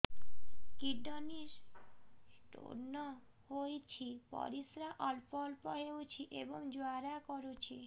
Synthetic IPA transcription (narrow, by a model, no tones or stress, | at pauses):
kiɖɔniɾ | ʈo̰ɾnɔ | hojt͡ɕʰipɔ̰ɾisɾaʔɔlpɔlpɔɦeut͡ɕʰiʔeboŋd͡ʒoaɾakɔɾut͡ɕʰi